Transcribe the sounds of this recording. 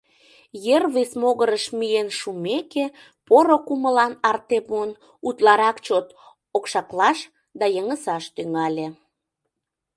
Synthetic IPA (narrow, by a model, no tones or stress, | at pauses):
jerβesmoɣəɾəʃmienʃumeke | poɾokuməlɑnɑrt̪epuən | ut̪lɑɾɑkt͡ɕot̪ | okʃɑklɑʃ | d̪ɑjəŋəsɑʃt̪yŋɑlʲe